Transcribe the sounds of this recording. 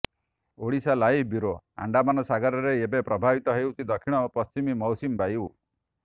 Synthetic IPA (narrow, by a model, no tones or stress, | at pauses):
oɽisalajbiɾoa̰ɳɖamanɔsaɡɔɾɔɾeebepɾɔbʱabit̪ɔɦewt̪ʰid̪ɔkʰiɽ̃ɔpɔst͡ʃimimɔwsimbaju